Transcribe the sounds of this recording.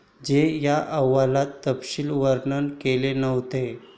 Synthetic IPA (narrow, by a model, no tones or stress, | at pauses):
d͡ʑejaʔəʋːalat̪ːəpɕiːlʋəɾɳənkelenəʋt̪e